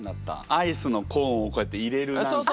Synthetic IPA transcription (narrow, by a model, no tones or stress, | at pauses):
nat̪ːa̰aisɨno̞kʰõːoko̞e̞t̪ːeiɾe̞ɾɯ̟o